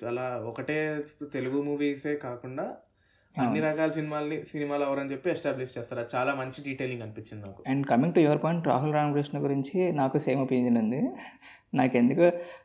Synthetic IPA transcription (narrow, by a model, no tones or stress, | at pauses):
aːlaːɔkɐʈe̞ːt̪e̞luɡumuːʋiːseːkaːkuɳɖaː | ɐaːnːiɾɐɡaːlɐs̬inimaːlɐnisinimaːlɐʋɐɾɐnt͡ʃe̞pːiɛsʈaːbliʂt͡ʃɛːst̪aːɾat͡ʃaːlaːmɐɲt͡ʃiɖiːʈeːliŋɡɐnipit͡ʃːind̪inaːku̥ɛɳɖkɐmiŋɡʈujuʋɐɾpaːɳʈɾa̰ːɦulɾaːmɡɾesʂnɐɡuɾiɲt͡ʃinaːkuseːmopiɲd͡ʒɐnund̪i | naːke̞nd̪uku